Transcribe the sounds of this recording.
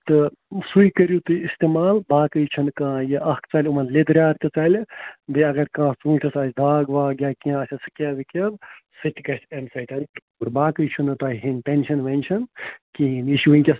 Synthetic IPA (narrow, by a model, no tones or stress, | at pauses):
t̪ɨsujkɐɾjut̪ɨist̪emaːlbaːkɨjt͡ʃʰunkãːjiʔɐhkt͡sɐlʲumɐnled̪ɾʲaːt̪kɐt͡sɐlʲd̪eɐɡɐɾkãːt͡sũːʈʰʲɐsɐːsʰʲd̪ʱaːɡʋaːɡʲjaːkiãːsʲɐsɨ̥kʲɐʋikʲɐbsɨt̪ʲkɐsʲt̪ʰɐmsɐʈʲɐnt̪ | uɾbaːkɨjt͡ʃʰunɨt̪ɐːɦɦinʲpenʲʃɐnʋɐnʲt͡ʃʰɐnkiːniʃiʋɨnʲkʲɐs